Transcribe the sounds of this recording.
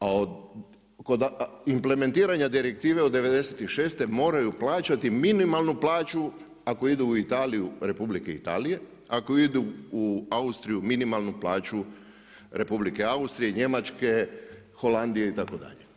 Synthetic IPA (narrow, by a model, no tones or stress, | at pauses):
aod̪ | kod̪imple̞me̞nt̪iːɾaɲad̪iɾek̚t̪iːʋe̞o̞d̪ːe̞ʋe̞d̪e̞set̪iʃe̞ːst̪e̞mo̞ːɾajuplaːt͡ʃat̪iminimalˠnuplˠaːt͡ʃu | ako̞id̪uːit̪aːlijuɾe̞publike̞ḭt̪a̰ːlije̞ | akoid̪uːaust̪ɾijuminimalnuplaːt͡ʃu | ɾʔe̞publike̞aust̪ɾije̞ɲe̞mat͡ʃke̞ | xo̞land̪ijeit̪ako̞d̪a̰ʎe